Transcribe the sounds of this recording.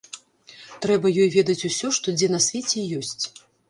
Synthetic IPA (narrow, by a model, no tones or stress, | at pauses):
t̪ɾɛbɐjɔjvʲɛd̪ɐt͡sʲusʲɔʂt̪ɔd͡zʲɛnɐsʲvʲɛt͡sʲɛjɔsʲt͡sʲ